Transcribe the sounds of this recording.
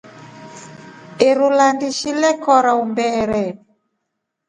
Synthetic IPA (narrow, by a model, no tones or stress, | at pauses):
eɾulandiʃilɛkɔɾaumbɛɾɛ